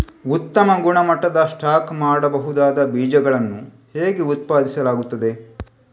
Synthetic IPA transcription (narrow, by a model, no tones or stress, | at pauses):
ut̪ːɐmɐɡuɳɐmɐʈːɐd̪ɐsʈaːkmaːɽɐbɐɦud̪aːd̪ɐbiːd͡ʒɐɡɐɭɐnːu | heːɡeut̪̚paːd̪isɐlaːɡut̪ːɐd̪e̞